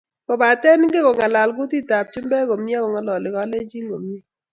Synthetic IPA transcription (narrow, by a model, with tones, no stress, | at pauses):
ko˨ba˨tɛ˦n˦ɡe˦kɔ˨ŋa˨la˨lɡʊ˦ti˦ta˨p̚t͡ʃʊ˦mbɛ˦ko˨m˦a˦kɔ˨ŋa˨lɔ˨lɪ˨kɔ˦le˦d͡ʒi˦ŋɡo˨mi˦e˦